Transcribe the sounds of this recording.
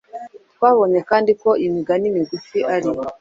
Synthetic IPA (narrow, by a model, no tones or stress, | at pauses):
kwaβɔɲɛkandikɔimiɡanimiɡufiʔaɾi